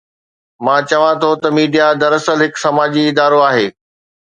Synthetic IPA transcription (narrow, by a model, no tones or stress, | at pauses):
mãːt͡ɕɐʋãt̪ʰot̪ɐmiːɖijad̪ɐɾɐsəlɦɪksɐmaːd͡ʑiɪd̪aːɾoaːɦeː